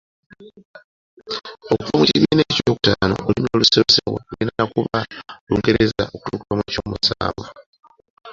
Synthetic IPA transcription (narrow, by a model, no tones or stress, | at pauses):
okuvamuciβineːcoːku̥taːno̞̰ʔolimoluseβesewḛuinanakuβaluːŋɡe̞ɾe̞zaʔokutuːkuβamwecoːmusaːβo